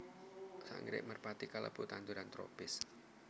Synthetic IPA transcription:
sa̰ŋɾɪ̰ʔmərpat̪ikalə̰b̥ut̪and̪uɾant̪ɾo̰pɪs

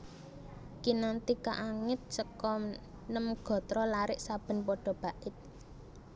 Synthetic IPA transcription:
kinant̪ika̰ʔaŋɪt̪̚səkɔm | nəmɡ̥ɔ̤t̪ɾɔlaɾɪʔsab̥ə̤npɔɖ̥ɔ̤b̥a̤ʔɪt̪̚

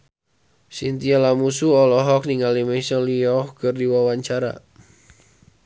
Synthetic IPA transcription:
sint̪ialamusuɔlɔɦɔk̚niŋalimɛsɔliɔhkɨrdiwawaɲt͡ʃaɾa̰

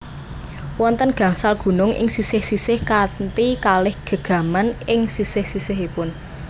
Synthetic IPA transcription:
wɔnt̪ənɡ̥ä̤ŋsalɡ̥ṳnʊŋʔɪ̰ŋsisɪhsisɪhkant̪ikalɪhɡ̥ə̤ɡ̥ä̤manɪŋsisɪhsisɪɦipʊn

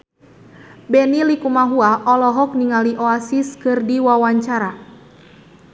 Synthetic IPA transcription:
bɛnilikumaɦuaʔɔlɔɦɔk̚niŋaliʔɔasiskɨrdiwawaɲt͡ʃaɾa

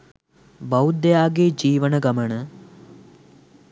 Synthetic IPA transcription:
bɐwud̪ejaːɡed͡ʒiːʋənəɡɐmənə

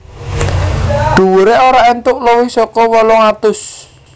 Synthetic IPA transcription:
ɖ̪̥ṳwuɾɛʔoɾaɛnt̪ʊʔlɔwɪhsɔkɔwɔlɔŋat̪ʊs

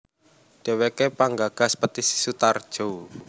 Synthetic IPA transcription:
ɖ̥e̤wekepaŋɡaɡ̥a̤spət̪isi̥sut̪ard̥ʒ̥o

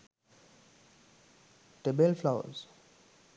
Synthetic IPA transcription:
ʈebelflaʊə̰z

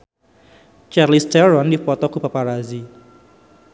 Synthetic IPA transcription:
t͡ʃarlistɛɾɔndifɔt̪ɔkupapaɾazi

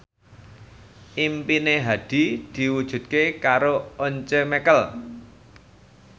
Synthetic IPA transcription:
ʔimpineɦad̪̥i̤d̪̥i̤wud̥ʒ̥ṳt̪̚kekaɾooɲt͡ʃemɛkəl

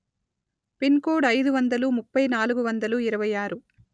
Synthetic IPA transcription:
pinkoːɖɐjd̪uʋɐnd̪ɐlumupːɐjnaːluɡuʋɐnd̪ɐluiɾɐʋɐjaːɾu

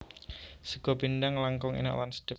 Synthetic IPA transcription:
səɡ̥ɔ̤bindaŋlaŋkɔŋḛna̰ʔwanst̪ə

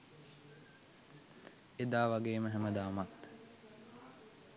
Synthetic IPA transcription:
ed̪aːʋaɡeːməɦæməd̪aːmat̪

